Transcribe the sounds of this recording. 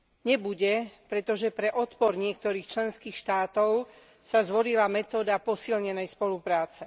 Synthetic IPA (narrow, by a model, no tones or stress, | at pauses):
ɲɛbuɟɛpɾɛt̪ɔʒɛpɾɛʔɔt̪pɔɾɲɪɛk̚t̪ɔɾiːxt͡ʃlɛnskiːxʃt̪aːt̪ɔʊ | sazʋɔlilamɛt̪ɔːd̪apɔsilɲɛnɛjspɔlupɾaːt͡sɛ